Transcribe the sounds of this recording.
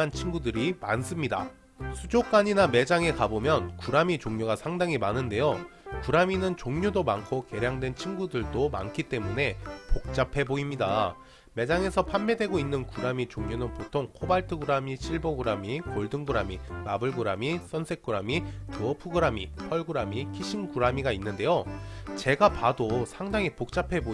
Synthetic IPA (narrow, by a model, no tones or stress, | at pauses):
ant͡ɕʰinɡudɯɾima̰ns͈ɯmɲida̰ | sʰud͡ʑok͈aɲiname̞d͡ʑaŋe̞kabomjʌnkuɾamit͡ɕoŋɲuɡasʰaŋdaŋimanɯnde̞jokuɾaminɯnt͡ɕoŋɲudomankʰoke̞ɾjaŋdwe̞nt͡ɕʰinɡudɯɭdoma̰nkʰit͈e̞mune̞pok̚t͡ɕ͈apʰe̞boimɲida | me̞d͡ʑaŋe̞sʰʌpʰanːedwe̞ɡoinːɯnkuɾamit͡ɕoŋɲonɯnpotʰoŋkʰobaɭtʰɯɡɯɾamiɕʰiɭboɡɯɾamikoɭdɯŋɡuɾamimabɯɭɡuɾamis͈ʰʌnsʰe̞k̚k͈ɯɾamitɯʌpʰɯɡɯɾamipʰʌɭɡɯɾamikʰiɕʰimɡuɾamiɡainːɯnde̞jot͡ɕe̞ɡapadosʰaŋdaŋipok̚t͡ɕ͈apʰe̞bo